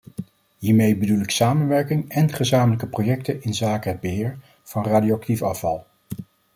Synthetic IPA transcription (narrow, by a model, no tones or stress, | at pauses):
ɦiːɹmejbədulɪksaːmənʋɛɹkɪŋɛnχəzaːmələkəprojɛktənɪnzaːkəɦəd̚bəɦɪːɹ | v̥ɑnraːdioɑk̚tifɑfɑ̰lˠ